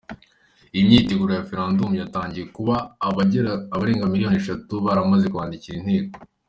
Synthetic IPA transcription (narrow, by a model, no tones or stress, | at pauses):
imɲiːteɡuɾejafeɾãːndumjataːɲɟijekuβaːβaɟeɾaːβaɾeːŋɡamiɾijo̞neʃatuβaɾamazekuβaːndiciɾinheːko